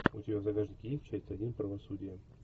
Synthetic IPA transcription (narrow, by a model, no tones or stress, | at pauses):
ʊ̰tʲɪbʲavzɐɡʲaʐnʲɪkʲjesʲt̚ʲt͡ɕæsʲt̪ʲɐdʲinpɾəvɐsudʲɪjə